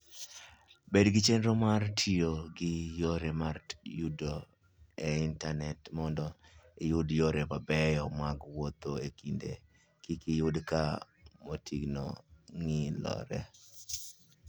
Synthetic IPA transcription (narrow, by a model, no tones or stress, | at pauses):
bedɡɪt͡ʃenɾomartʰioɡɪjoɾemarjudo | eɪntanɛtmɔndɔɪjʊdjoɾepabɛjɔmaɡwot̪oekindḛ | kikɪjʊdka | motʰiɡno̰ŋilɔ̰ɾɛ̰